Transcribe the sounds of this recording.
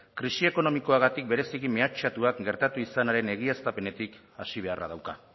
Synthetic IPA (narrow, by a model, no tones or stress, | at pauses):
kɾisie̞ko̞no̞miko̞aɣat̪ik̚be̞ɾe̞sikime̞at͡ʃat̪uakɡe̞ɾt̪at̪uisanaɾe̞ne̞ɣ̞iast̪ape̞ne̞t̪ik | a̰siβ̞e̞a̰ra̰ðawka̰